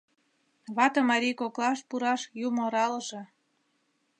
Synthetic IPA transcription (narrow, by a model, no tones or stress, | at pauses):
βɑt̪ɤ̆mɑɾʲijkoklɑʃpuɾɑʃjumoɾɑləʒĕ